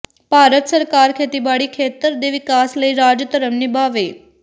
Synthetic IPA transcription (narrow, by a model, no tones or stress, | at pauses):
b̥ʱaɾət̪səɾkaɾkʰet̪ibaɽikʰet̪əɾd̪eʋikasləiɾad͡ʒjət̪əɾəmnibaʋe